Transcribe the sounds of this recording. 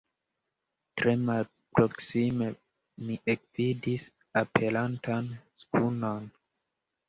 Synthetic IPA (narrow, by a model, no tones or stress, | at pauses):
tɾe̞mal | pɾoksime̞ | miʔek̚vidis | apʰe̞lantanskuno̞n